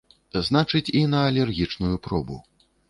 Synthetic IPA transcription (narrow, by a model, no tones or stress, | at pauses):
znat͡ʂɨt͡sʲinɐːlʲɛrɣʲit͡ʂnujupɾɔbṵ